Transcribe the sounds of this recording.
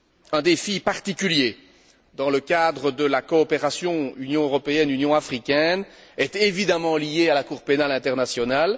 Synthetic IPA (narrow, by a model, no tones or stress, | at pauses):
ɛ̃d̪efipaʁt̪ikʲylje | d̪ɑ̃ləkad̪ʁəd̪əlakɔːpeʁasjɔ̃ynjɔ̃øʁɔpeɛnynjɔ̃afχikʲɛnɛt̪evid̪amɑ̃lijealakuːʁpenalɛ̃t̪ɛʁnasjɔnal